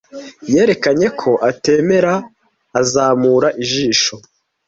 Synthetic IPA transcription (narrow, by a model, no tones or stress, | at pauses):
je̞ːɾe̞kaɲe̞kʰo̞ʔate̞ːme̞ɾaː | zaːmuːɾaʔiʒiːʃo̞